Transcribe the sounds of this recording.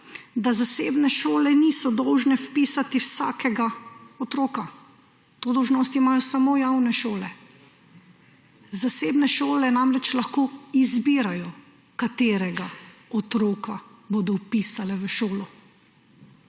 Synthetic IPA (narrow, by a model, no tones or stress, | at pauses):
d̪azaseːbnɛʃoːlɛnisɔd̪ɔwʒnɛfpiːsat̪iwsa̰ːkʰɛɡaɔt̪ɾoːka | t̪oːd̪ɔwʒnɔːst̪imaːjɔsamoːjawnɛʃoːlɛ | zaseːbnɛʃoːlɛnamɾɛt͡ʃlaxkoːizbiːɾajɔ | kat̪eːɾɛɡaɔt̪ɾoːkaboːd̪ɔwpiːsalɛʋəʃoːlɔ